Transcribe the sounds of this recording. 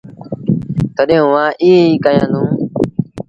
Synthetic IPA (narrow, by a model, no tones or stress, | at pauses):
t̪əɗẽːũːʋãːʔiːeiːkəjãːd̪ũː